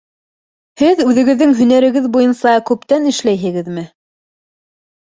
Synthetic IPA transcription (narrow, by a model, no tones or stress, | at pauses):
hɘðʉðɘ̆ɡɘ̆ðːɘŋɦɵ̆næɾɘ̆ɡɘðbujɤnsɑkʉpt̪ænɘ̆ʃlæjɦɘ̆ɡɘðmɘ